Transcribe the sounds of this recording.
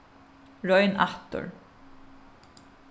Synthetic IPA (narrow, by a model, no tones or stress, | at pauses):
ɹɔjna̰ht̪ʊ̰ɹ